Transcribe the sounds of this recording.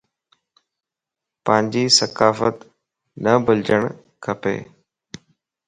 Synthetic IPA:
pə̃ɦɪ̃ɲd͡ʑiːsəkaːfət̪ | nəbəld͡ʑəɽ̃ | kʰəpḛː

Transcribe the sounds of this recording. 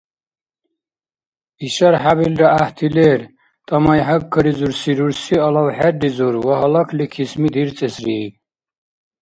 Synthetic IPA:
iʃaɾħabilɾaaht̪ʰilɛːɾ | t̪ʼɐmajɦakʰːəɾizuɾsiɾuɾsiɔlawħɛɖizuɾwaɦɔlakʰlikʰismid̪iɾt͡sʼɛsɾi

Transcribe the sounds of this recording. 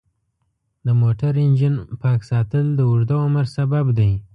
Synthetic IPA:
d̪əmoʈaɾɪnd͡ʒinpɑksɑt̪əld̪əʊʐd̪aʊməɾsababd̪aj

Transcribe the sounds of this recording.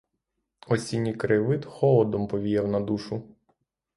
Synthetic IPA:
ɔsʲinʲikɾɪʋɪt̪xɔlˠɔd̪ɔmpɔʋʲijɛwnɐd̪uʃʊ

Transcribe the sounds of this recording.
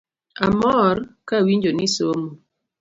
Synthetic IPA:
amɔɾkawind͡ʒonisoːmu

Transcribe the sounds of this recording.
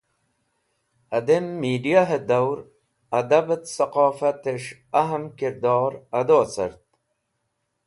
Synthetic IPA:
ɐd̪emːiːɖijaɦed̪ɐwɾ | ɐd̪ɐbət̪sɐqɑːfɐt̪eʂɐɦəmkiɾd̪ɑːɾɐd̪oːsə̰ɾt̪

